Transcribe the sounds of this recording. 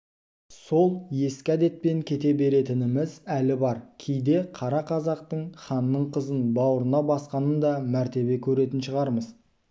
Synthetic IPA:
so̞lˠje̞skʲæd̪e̞t̪̚pe̞ŋkʲʰe̞t̪e̞be̞ɾe̞t̪ɪnɪmɪzælɪbɑɾkʲʰejd̪e̞qʰɑɾɑqʰɑzɑqt̪əɴχɑnːəɴqʰəzənbɑwəɾənɑbɑsqɑnənd̪ɑmæɾt̪e̞be̞kʲʰɵɾe̞t̪ɪnʃəʁɑɾməz

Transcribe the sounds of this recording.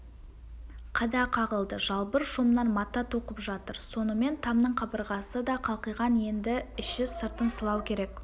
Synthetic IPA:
qʰɑd̪ɑqʰɑʁəlˠd̪əʒɑlˠbəɾʃumnɑnmɑt̪ːɑt̪ʰoqəpʒɑt̪əɾso̞nəme̞nt̪ʰɑmnəɴqʰɑbəɾʁɑsəd̪ɑqʰɑlˠqəjʁɑnje̞nd̪ɪɪʃɪsəɾt̪ənsəlˠɑwkʲʰeɾe̞k

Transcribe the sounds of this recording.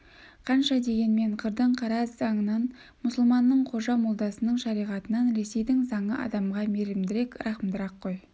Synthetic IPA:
qʰɑnʃɑd̪e̞ɡʲe̞nme̞ɴqʰəɾd̪əɴqʰɑɾɑzzɑŋənɑn | mʊsəlˠmɑnːəɴqʰo̞ʒɑmʊlˠd̪ɑsənəɴʃɑɾijʁɑt̪ənɑnɾe̞se̞jd̪ɪŋzɑɴəʔɑ̰d̪ɑmʁɑmeɾɪmd̪ɪɾe̞kɾʔɑχəmd̪əɾɑqːoj

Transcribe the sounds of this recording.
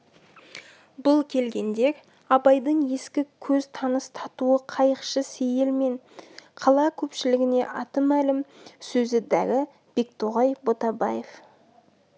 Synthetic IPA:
bʊlˠkʲʰe̞lɡʲe̞nd̪e̞ɾ | ɑbɑjd̪əɴje̞skʲɪkʲʰɵzt̪ʰɑnəst̪ʰɑt̪uəqʰɑjəqʃəse̞je̞lme̞ɴqʰɑlˠɑkʲʰɵpʃɪlɪɡʲɪne̞ʔɑt̪əmælɪmsɵzɪd̪æ̰ɾɪ | b̥e̞k̚t̪ʰoʁɑjbo̞t̪ɑbɑje̞f

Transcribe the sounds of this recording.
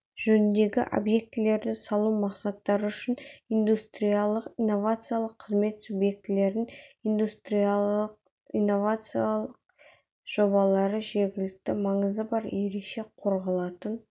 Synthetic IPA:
ʒ̥ɵnɪnd̪e̞ɡʲɪ̰ʔo̞̰bje̞k̚t̪ɪle̞ɾd̪ɪsɑlˠumɑqsɑt̪ːɑɾəʏʃɪnijnd̪ust̪ɾijalˠəqijnːo̞vat̪sɨjalˠəqʰːəzme̞t̪subje̞k̚t̪ɪle̞ɾɪnind̪ust̪ɾijaq | inːo̞vat̪sɨjalˠəq̚ | ʒ̥o̞bɑlˠɑɾəʒe̞ɾɡʲɪlɪk̚t̪ɪmɑɴəzəbɑɾe̞ɾe̞kʃe̞qʰo̞ɾʁɑlˠɑt̪ən

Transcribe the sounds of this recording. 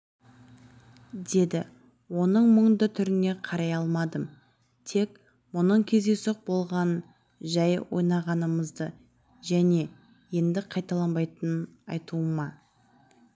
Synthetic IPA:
d̪e̞d̪ɪ | wo̞nəɴməɴnd̪ət̪ʰʏɾɪne̞qʰɑɾɑjɑlˠmɑd̪əm | t̪ʰe̞k | mʊnəɴkʲʰe̞zd̪e̞soq̚bo̞lˠʁɑn | ʒɑjwʔo̞̰jnɑʁɑnəməzd̪ə | ʒæne̞ | je̞nd̪ɪqʰɑjt̪ɑlˠɑnbɑjt̪ənənɑ̰jt̪uəmɑ

